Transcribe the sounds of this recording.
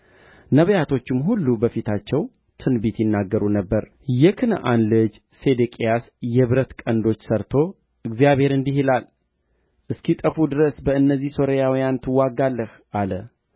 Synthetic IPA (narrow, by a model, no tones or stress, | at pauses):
nəβəjat̪ʰo̞t͡ʃːɪmɦulːubəfit̪ʰat͡ʃːɛw | t̪ʰɨnbit̪jɪnːaɡːəɾunəbːəɾ | jɛkʰɨn̰ʔanlɨd͡ʒ | se̞d̪ekʼijas | jɛβɨɾət̪kʼənd̪o̞t͡ʃːsəɾt̪ʰo̞ | ɨɡzijaβhe̞ɾɨnd̪iɦilal | ʔɨskit̪ʼəfud̪ɨɾəsbəɨnːəzːihso̞ɾəjawijant̪ʰɨwːaɡalːəh | ʔalə